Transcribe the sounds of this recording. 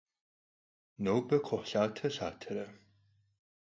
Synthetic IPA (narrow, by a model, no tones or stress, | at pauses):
nowbɐkʷʰʊħɬaːtʰɐɬaːtʰɐɾɐ